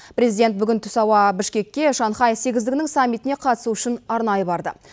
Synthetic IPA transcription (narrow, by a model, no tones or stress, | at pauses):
pɾe̞zijd̪e̞nt̪̚bʏɡʲɪnt̪ʰʊ̥sɑwɑbɪʃkʲe̞kʲːe̞ʃɑnχɑjfse̞ɡʲɪzd̪ɪɡʲɪnɪŋsamːit̪ɪne̞qʰɑt̪ə̥suʏʃɪnɑɾnɑjəbɑɾd̪ə̰